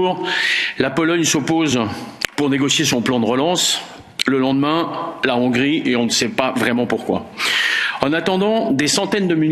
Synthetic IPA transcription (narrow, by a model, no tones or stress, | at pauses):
ʁlapɔlɔɲsɔpozpuʁneɡɔsjes̬ɔ̃plɑ̃d̪əʁəlɑ̃s | ləlɑ̃d̪mɛ̃laɔ̃ɡʁiʔeɔ̃nəsɛpavʁɛmɑ̃puʁkwa̰ | ɑ̃nat̪ɑ̃d̪ɑ̃d̪esɑ̃t̪ɛnd̪əmyn